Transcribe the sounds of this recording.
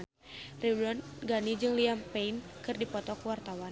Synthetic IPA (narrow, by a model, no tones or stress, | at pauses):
riwdɔnɡanid͡ʒɨŋliampeinkɨrdipɔt̪ɔkuwart̪awan